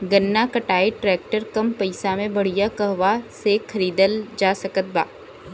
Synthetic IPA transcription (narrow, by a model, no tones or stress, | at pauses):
ɡɐnːakɐʈaːeʈɾɛːk̚ʈəɾkɐmpɐɪsamẽbɐɽ̤ijakɐɦʋasexʰɐɾiːd̪əld͡ʒaːsɐkət̪̚ba̰ː